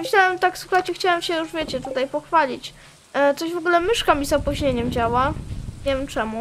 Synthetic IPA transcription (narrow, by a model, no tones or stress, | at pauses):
mɘɕlawɛmt̪akswuxat͡ɕɛxt͡ɕawɛmɕɛjuʐvʲjet͡ɕɛt̪ut̪ajpɔxfalʲit͡ɕ | t̪sɔʑvɔɡulɛmɘʂkamʲizɔpuʑɲeɲɛmd͡ʑawaɲevʲɛmt͡ʂɛmu